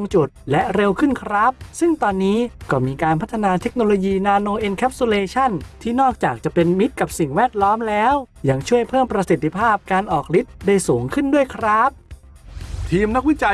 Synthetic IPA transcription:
ŋt͡ɕu˨˩t̪̚lɛ˦˥ɾe˧wkʰɯ˥˩nkʰɾa˦˥p̚sɯ˥˩ŋt̪ɔː˧nːiː˦˥kɔː˥˩miː˧kaː˧npʰa˦˥t̪ʰːa˧naː˧t̪ʰe˦˥k̚noː˧loː˧jiː˧naː˧noː˧ʔe˧nkʰɛː˦˥p̚su˧leː˧t͡ɕʰa˥˩nt̪ʰiː˥˩nɔː˥˩k̚t͡ɕaː˨˩k̚t͡ɕa˨˩pe˧nmi˦˥t̪̚ka˨˩p̚si˨˩ŋwɛː˥˩t̪̚lɔː˦˥mlɛː˦˥w | ja˧ŋt͡ɕʰu˥˩əjpʰɤː˥˩mpɾa˧si˨˩t̪ʰːi˧pʰaː˥˩p̚kaː˧nʔɔː˨˩k̚li˦˥t̪̚da˥˩jsuː˩˦ŋkʰɯ˥˩ndu˥˩əjkʰɾa˦˥p̚ | t̪ʰiː˧mna˦˥k̚wi˦˥t͡ɕa˧

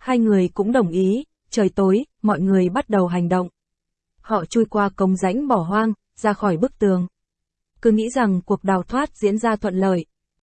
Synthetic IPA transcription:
haː˧jŋɨ˨˩əjkʊ̰˧˥ŋ͡mɗə˨˩wŋ͡mʔi˨˦ | t͡ɕəː˨˩jt̪o˨˦j | mɔ̰˧˨jŋɨ˨˩əjɓa˦˥t̚ɗə˨˩wɦa˨˩jŋ̟ɗə̰˧˨wŋ͡m | hɔ̰˧˨t͡ɕu˧jkwaː˧kə˧wŋ͡mza̰˧˥jŋ̟ɓɔ˧˩ɦwaː˧ŋ | z̥aː˧xɔ˧˩jɓɨ˦˥k̚t̪ɨ˨˩əŋ | kɨ˧ŋḭ˧˥za˨˩ŋku˨˩ək̚ɗaː˨˩wt̪ʰwaː˦˥t̚zḭ˧˥ənzaː˧t̪ʰwə̰˧˨nlə̰ː˧˨j

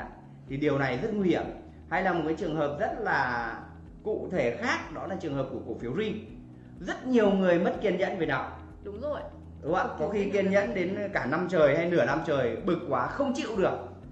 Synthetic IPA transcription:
t̪ʰi˨˩ɗi˨˩əwna˨˩jzə˦˥t̚ŋwi˧hi˧˩əm | ha˧jlaː˨˩mo˨˩kaː˨˦t͡ɕɨ˨˩əŋɦəː˨˩p̚zə˦˥t̚laː˨˩ | kṵ˧˨t̪ʰe˧˩xaː˦˥k̚ɗɔ˨˦laː˨˩t͡ɕɨ˨˩əŋɦəː˨˩p̚ku˧˩əku˧˩fi˨˦əwzi˧ŋ | zə˦˥t̚ɲi˨˩əwŋɨ˨˩əjmə˦˥t̚ki˧ənɲə̰˧˥nve˨˩naː˨˩w | ɗʊ˨˦ŋ͡mzo˨˩j | ɗʊ˨˦a˨˧˦kɔ˨˦xi˧ki˧ənɲə̰˧˥nɗe˨˦nkaː˧˩na˧mt͡ɕəː˨˩jha˧jnɨ˧˩əna˧mt͡ɕəː˨˩jɓɨ˨˩k̚kːwaː˨˦xə˧wŋ͡mt͡ɕḭ˧˨wɗɨ˨˩ək̚

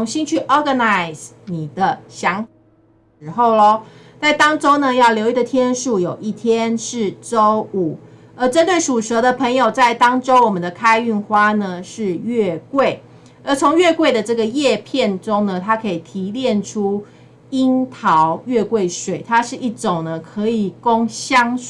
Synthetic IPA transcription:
ʊ˧ŋɕi˦nt͡ɕʰy˥˩ʔɔ˥ɡə˨na˨˩ɪs | ni˨˩d̪ə˦ɕjɑ˧˥ŋ | ʂɻ̩˧˥xo˥˩ʊlɔ˦ | t͡sa˥˩ɪt̪ɑ˥ŋʈ͡ʂo˥ʊnə˨jɑ˥˩ʊljo˧˥ʊi˥˩d̪ə˨˩t̪ʰjɛ˥nʂu˥˩jo˨˩ʊʔi˥˩t̪ʰjɛ˦nʂɻ̩˥˩ʈ͡ʂo˦˥ʊu˨˩˦ | ə˧˥ʈ͡ʂə˥˦nt̪we˥˩ɪʂu˨˩ʂə˧˥˦ɾə˨pʰə˧˥ŋjo˨˩ʊt͡sa˥˩ɪt̪ɑ˥ŋʈ͡ʂo˥ʊwɔ˨˩mə̃˨˦nd̪ə˨kʰa˥ɪy˥˩nxwa˥nə˨ʂɻ̩˥˧ɥɛ˥˧kwe˥˩ɪ | ə˧˦˥t͡sʰo˧˦ŋɥɛ˥˧kwe˥˩ɪd̪ə˩ʈ͡ʂɤ˥˩ɡə˩jɛ˥˧pʰjɛ˥˨˩nʈ͡ʂʊ˦ŋnə˨t̪ʰa˥kʰɤ˧˥i˨˩t̪ʰi˧˥ljɛ˥˨nʈ͡ʂʰu˦ | i˥nt̪ʰɑ˧˦ʊɥɛ˥˧kwe˥˩ɪʂwe˨˩ɪt̪ʰa˥ʂɻ̩˥˧ʔi˥˩ʈ͡ʂo˨˩ŋnə˩kʰɤ˧˦i˨˩kʊ˦ŋɕjɑ˦ŋ

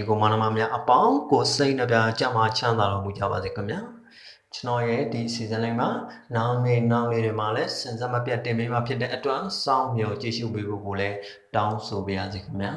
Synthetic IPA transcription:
ɡo˨mã˨nə˨ma˨mja˦ʔəpã˦ʊ̃ko˨se˦ɪʔnə˦˨pja˦t͡ɕã̰˦ʔm̥a˨t͡ɕʰã˦nd̪a˨ɾɔ˦˨mu˨d͡ʑä̰˦˨ba˨ze˨kʰəmja˦ | t͡ɕənɔ˦˨jɛ˦˨di˨ʔəsi˨zɪ̃˨lã˦ɪ̃mɡa˨na˦˨ne˦˨na˦˨ʔʔe˨dwɪ̃˨ma˨lɛ˦sɪ̃˨nza˦˨məpja˦˨tːɪ̃˨mpe˦ma˨pʰjɪ˦t̬ːɛ̰˦˨ʔətwã˦sã̰˦˨ʊ̃mjɔ˨t͡ɕi˦˨ʃṵ˦˨pe˦bo̰˦˨ɡo˨lɛ˦ | tã˦ʊ̃nso˨pe˦ja̰˨ze˨kʰəmja̰˦˨

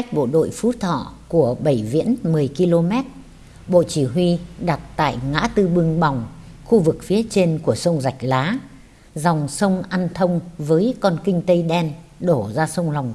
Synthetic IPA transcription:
ka˦˥k̚ɓo̰˧˨ɗo̰˧˨jfu˨˦t̪ʰɔ̰˧˨ku˧˩əɓə˧˩jvḭ˧˥ənmɨ˨˩əjki˧lo˧mɛ˦˥t̚ | ɓo̰˧˨t͡ɕi˧˩ɦwi˧ɗa˨˩t̚t̪a̰ː˧˨jŋa̰ː˧˥t̪ɨ˧ɓɨ˧əŋɓa˨˩wŋ͡mxu˧vɨ˨˩k̚fi˨˦ət͡ɕe˧nku˧˩əsə˧wŋ͡mza˨˩jk̟̚laː˨˦ | za˨˩wŋ͡msə˧wŋ͡mʔa˧nt̪ʰə˧wŋ͡mvəː˨˦jkɔ˧nkï˧ŋ̟t̪ə˧jɗɛ˧nɗo˧˩zaː˧sə˧wŋ͡mla˨˩wŋ͡m

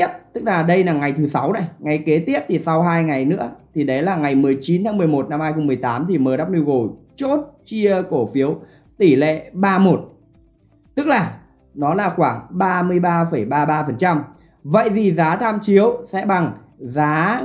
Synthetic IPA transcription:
i˦˥əp̚t̪ɨ˦˥k̚laː˨˩ɗə˧jlaː˨˩ŋa˨˩jt̪ʰɨ˨˦sa˨˦wna˧˦jŋa˨˩jke˨˦t̪i˦˥əp̚t̪ʰi˨˩sa˧wɦaː˧jŋa˨˩jnɨ̰˧˥ət̪ʰi˨˩ɗə˨˦jlaː˨˩ŋa˨˩jmɨ˨˩əjt͡ɕi˨˦nt̪aː˨˦mɨ˨˩əjmo˨˩t̚na˧mhaː˧jxo˧wŋ͡mmɨ˨˩əjt̪aː˨˦mt̪ʰi˨˩məː˨˩ɗaː˦˥p̚nu˧wɣo˨˩ | t͡ɕo˦˥t̚t͡ɕi˧əko˧˩fi˨˦əw | t̪i˧˩lḛ˧˨ɓaː˧mo˨˩t̚ | t̪ɨ˦˥k̚laː˨˩ | nɔ˨˦laː˨˩xwaː˧˩ŋɓaː˧mɨ˧əjɓaː˧fə˧˩jɓaː˧ɓaː˧fə˨˩nt͡ɕa˧m | və̰˧˨jzi˨˩zaː˨˦t̪ʰaː˧mt͡ɕi˨˦əwsɛ̰˧˥ɓa˨˩ŋ | zaː˨˦

